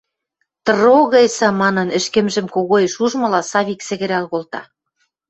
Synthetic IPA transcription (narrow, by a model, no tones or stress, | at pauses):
t̪ɤ̆ɾoɣɤsɑmɑnɤ̆nɘ̆ʃkĕmʒɘ̆mkoɣojʃuʒmɤ̆lɑsɑβiksɘ̆ɣɘ̆ɾælɣolt̪ɑ̰